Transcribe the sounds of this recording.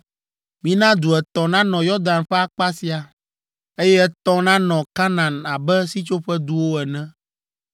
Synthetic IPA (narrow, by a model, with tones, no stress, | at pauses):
mĩ˦nã˦d̪u˨ɛ˨t̪ɔ̃˨nã˦nɔ̃˨jɔ˦d̪ã˨nɸɛ˦a˨k͡pa˦si˨a˨ | e˦jɛ˦ɛ˦t̪ɔ̃˦nã˦nɔ̃˨ka˦nã˨na˨bɛ˦si˦t͡ʃo˦ɸɛ˦d̪u˦wo˦ɛ˨nɛ̃˦